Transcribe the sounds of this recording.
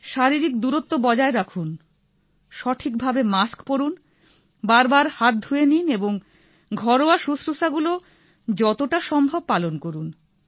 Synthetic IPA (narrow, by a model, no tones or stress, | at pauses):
ʃaɾiɾik̚d̪uɾot̪ːobɔd͡ʑaeɾakʰun | ʃɔʈʰikbʱabemaskpoɾun | baɾbaɾhat̪̚d̪ʱuenineboŋ | ɡʱɔɾoaʃusɾuʃaɡulo | d͡ʑɔt̪oʈaʃɔmbʱob̚palonkoɾun